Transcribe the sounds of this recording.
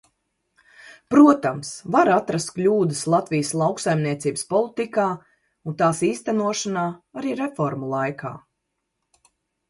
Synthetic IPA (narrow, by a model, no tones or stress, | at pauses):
pɾuɔt̪amsvaɾat̪ɾast̪̚klʲuːd̪əslˠat̪vijəslˠɑwksajmniɛt̪siːbəspɔlˠit̪ikaː | unt̪aːsiːst̪ænuɔʃanaːaɾiːɾefɔɾmulˠajkʰa̰ː